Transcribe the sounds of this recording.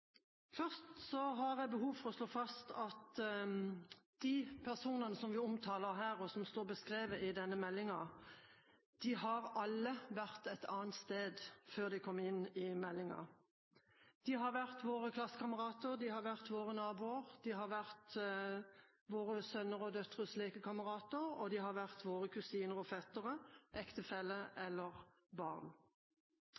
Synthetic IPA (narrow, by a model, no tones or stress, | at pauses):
fœʁst̪sɔɦɑd̪ɛbəɦuːʋfɔʁɔsloːfɑst̪ʰɑt̪ | d̪̥iːpʰæʁsuːnənəsɔmʋɪʊmt̪ʰɑːləʁɦæːʁɔsɔmst̪oːʁbəskʁeːʋəʔɪd̪ɛnːəmɛlːɪŋɑ | d̪̥ɪɦɑʁɑlːəʋæʁt̪æɪt̪ʰɑːnt̪st̪eːd̪føːʁd̪ɪkʰɔmːɪnɪmɛlːɪŋɑ̰ | d̪̥iɦɑʋæʁt̪ʋoːʁəkʰlɑsːə̥kʰɑməʁɑːt̪əʁd̪ihɑʁʋæʁt̪ʋoːʁənɑːbuːəʁd̪̥iɦɑʁʋæʁt̪ | ʋoːʁəsœnːəʁɔd̪œt̪ʁəsleːkəkʰɑməʁɑːt̪əʁɔ̰d̪ɪhɑʋæʁt̪ʋoːʁəkʰʉsiːnəʁɔfɛt̪əʁəʔɛkt̪əfɛlːəʔɛlːəʁ | bɑʁn